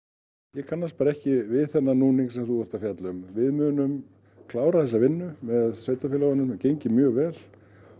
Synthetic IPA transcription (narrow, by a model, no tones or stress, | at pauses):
jɛkʰanːaspaːɾaɛhcɪvɪðθɛnːanuːniŋsɛmθuvɛɾ̥t̪afjat̪lʏmvɪðmʏnʏm | kʰlaːwɾaθɛs̬avɪnːʏmɛðsveːjt̪afɪlawanʏmɛcejɲcɪmjœːɣvɛːl̥